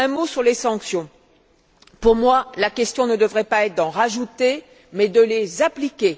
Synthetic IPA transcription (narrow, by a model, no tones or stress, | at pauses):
ɛ̃mosyʁlesɑ̃ksjɔ̃ | puʁmwalakʲɛst̪jɔ̃nəd̪əvʁɛpaɛt̪χ̚d̪ɑ̃ʁaʒut̪e | mɛd̪əlezaplikʲe